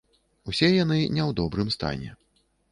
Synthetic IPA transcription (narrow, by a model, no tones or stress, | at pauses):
usʲɛjanɨnʲɛwd̪ɔbɾɨmst̪a̰nʲɛ̰